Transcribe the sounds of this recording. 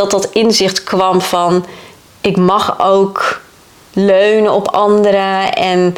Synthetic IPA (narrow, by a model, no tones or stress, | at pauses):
ɑtdɑtɪnzɪχtkʋɑmfɑn | ɪkmɑχowk | løɥnəɔpɑndəɾəɛn